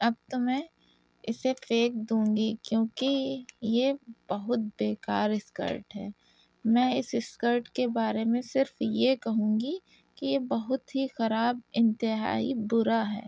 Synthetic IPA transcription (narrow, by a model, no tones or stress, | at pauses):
ɐb̚t̪omɛ̃ | ɪsefeːk̚d̪ũːŋɡikjõːkijeb̥ɐɦʊt̪̚beːkaːɾɪskə̰ɾʈɦɛ̰ː | mɛ̃ːɪsɪskəɾʈkebaːɾemẽsɪɾfjekɐɦũːŋɡi | kijebɐɦʊt̪ɦixɐɾaːbɪ̃nt̪ɪɦa̰ːḭbʊɾaɦɛ̰ː